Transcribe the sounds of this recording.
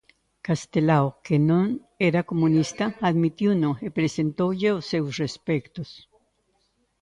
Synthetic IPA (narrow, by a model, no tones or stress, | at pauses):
kast̪elaokenon | eɾakomũnist̪aaðmit̪junoepɾesent̪oʝeosewsrespekt̪os